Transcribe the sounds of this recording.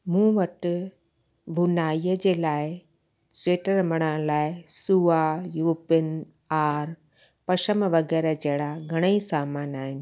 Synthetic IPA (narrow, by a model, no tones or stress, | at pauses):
mũːʋɐʈʊ | bʱʊnaːiːəd͡ʑeːlaːɪ | sweːʈəɾmɐɽ̃əlaːɪsuːajuːpɪn | aːɾ | pɐʃəmʋɐɡɛːɾəd͡ʑɐɦɪɽaɡʱɐɽ̃əisaːmaːnaːɦɪnɪ̆